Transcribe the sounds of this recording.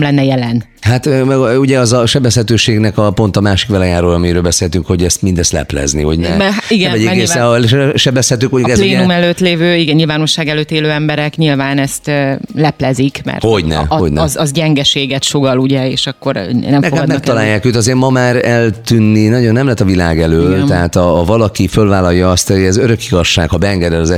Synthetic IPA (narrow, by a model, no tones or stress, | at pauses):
mlɛnːɛjɛlɛn | hat̪ːuɟɛɒzɒʃɛbɛshɛt̪øːʃeːɡnɛkɒpo̞nt̪ɒmaːʃi̥kʋɛlɛjaːɾulɒmiɾøːlbɛseːlhɛt̪yŋkho̞ɟɛst̪mind̪ɛst̪lɛ̰plɛ̰znḭho̰ɟnɛ̰ɛɦaiɡɛnvɛɟɛkesɛʃɛbɛshɛt̪øːkmoɲuukɛzlleːnumɛløːt̪leːvøːiɡɛnɲilvaːno̞ʃːaːɡɛløːt̪ːeːløːɛmbɛɾɛkɲilvaːnɛst̪ːlɛplɛzikmɛ̰rtho̞ɟnɛ̰ho̰ɟnɛzɒzɟɛŋɡɛʃeːɡɛt̪ʃoɡɒluɟɛeːʃɒkːo̞ɾnɛmnɛkoad̪mɛk̚t̪ɒlaːjːaːkøːt̪ɒzeːɾmɒmaːɾɛlt̪ynːinɒɟonːɛmlɛt̪ːɒvila̰ːɡɛløːlɛɦaːt̪ɒːvɒlɒkifølvaːlɒjːɒɒst̪oɛzøɾø̞kiɡɒʃːaːɡhɒbɛːŋɡɛd̪ɛlɒzɛ